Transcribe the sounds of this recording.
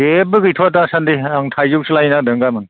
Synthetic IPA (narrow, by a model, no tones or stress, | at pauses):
ebɯɡɯjtʰoatasandiaŋtʰajzuk̚sɯlajnak̚dɯŋɡamɯn